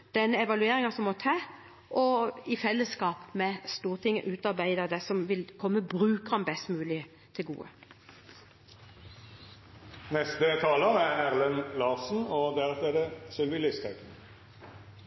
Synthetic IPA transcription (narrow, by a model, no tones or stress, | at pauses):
d̪̥ɛnːəɛʋɑlʉeːɾɪŋɑsɔmːɔt̪ʰɑː | ʔɔɪfɛlːəskɑːpmɛst̪uːʁt̪ʰɪŋːəʔʉːt̪ɑɾbæɪd̪əd̪ɛsɔmʋɪlkʰɔmːəbʁʉːkəʁɑnbɛst̪mʉːlɪ | t̪ʰɪlɡṵːə̰ | nɛst̪ət̪ʰɑːləʁæʁæʁlənlɑːʁsn̩ɔd̪ɛʁət̪ed̪əsɛlʋɪlɪst̪ʰɛkən